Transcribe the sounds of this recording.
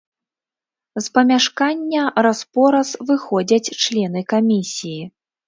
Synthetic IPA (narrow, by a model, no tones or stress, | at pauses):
spɐmʲaʂkanʲːɐɾaspɔɾɐsvɨxɔd͡zʲɐt͡sʲt͡ʂlʲɛn̪ɨkamʲisʲiji